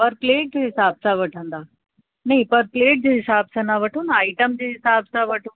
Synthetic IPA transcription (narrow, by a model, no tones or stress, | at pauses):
pɐɾpleːʈ̚d͡ʑeːɦɪsaːb̚saʋɐʈʰə̃nd̪aː | nɐɦĩpɐɾpleːʈ̚d͡ʑeːɦɪsaːbsanaʋɐʈʰonɐaːɪʈəmd͡ʑeːɦɪsaːbsaʋɐʈʰoː